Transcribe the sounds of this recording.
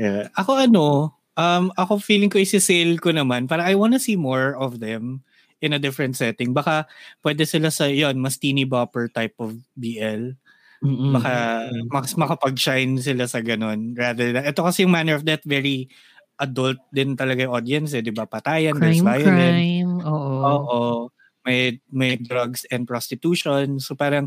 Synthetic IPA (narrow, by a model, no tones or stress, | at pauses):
aʔɐko̞ʔɐno̞ | ʔɐmɐkofiːlɪŋkoʔɪsɪselkonɐmanpaːɾɐʔajwanɐsiːmoɹɔvðɛm | ʔɪnɐd̪ɪfɹɛ̃nt̪̚sɛt̪ɪŋbɐkapwɛd̪ɛsɪlasɐjo̞nmɐst̪iːnibapɛɹt̪ajpʔɔfbiːʔɛl | bɐkamɐsmɐkɐpɐɡ̚ʃajns̬ɪlasɐɡɐno̞nɹad̪ə˞d̪ðɐɛt̪okɐsɛjʊŋmanɛɹɔfd̪ɐt̪̚vɛɹi | ʔɐd̪ɔlt̪̚d̪ɪnt̪ɐlɐɡajʊʔod̪iɛns̬ɛd̪ɪbapɐt̪aːjɐndɛbaːjɐd̪ɛmoːʔʔoːʔo | mɐjmɐjd̪ɾɐɡsɛ̃nd̪̚pɹost̪ɪt̪uːʃonsopaːɾɐŋ